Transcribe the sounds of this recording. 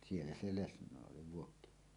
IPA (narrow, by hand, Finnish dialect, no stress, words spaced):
sielːæ se lesnˑoˑe oli ʋuokːiniemesːæ